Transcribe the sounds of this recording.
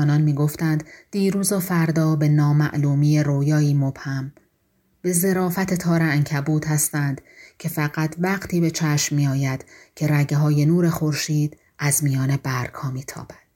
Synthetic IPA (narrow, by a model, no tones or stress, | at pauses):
nɒːnmiːɡoft̪ænd̪d̪̥iːɾuːzɒːfæɾd̪ɒːbe̞nɒːmæ̰ʔluːmije̞ɾoːjɒːiːmo̞b̥hæm | b̥e̞ze̞ɾɒːfæt̪ʰe̞t̪ʰɒːɾææŋcʰæbuːd̪hæst̪ænd̪̥cʰe̞fæɣæt̪ʰvæɡt̪ʰiːbe̞t͡ʃʰæʃmːiːɒːjæd̪̥cʰe̞ɾæɟeɦɒːje̞nuːɾe̞xo̞ɾʃiːd̪̥ | ʔæzmijɒːne̞bæɾkhɒːmiːt̪ʰɒ̰ːb̥æ̥d̪̥